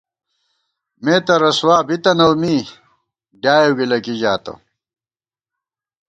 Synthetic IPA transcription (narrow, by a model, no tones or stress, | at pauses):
meːt̪ɐɾɐswaːbit̪ɐnɐwmiː | ɖjaːjoɡilɐkiʑaːt̪ɐ̰